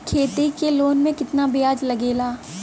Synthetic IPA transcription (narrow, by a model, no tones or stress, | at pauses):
kʰeːt̪ikeloːnmẽkɪt̪nabɪjaːd͡ʒlɐɡeːlaː